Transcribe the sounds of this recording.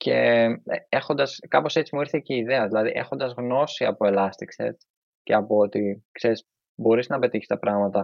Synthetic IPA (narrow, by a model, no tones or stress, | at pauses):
ce̞̰eexo̞nd̪ɐskɐpo̞se̞t͡simuiɾθeceiðeɐðilɐðiʔe̞xo̞nd̪ɐzɣno̞siɐpo̞elɐst̪iksḛt̪ | ce̞̰ɐpoot̪ikse̞ɾis | bo̞ɾiznɐpe̞t̪içi̥st̪ɐpɾɐɣmɐt̪ɐ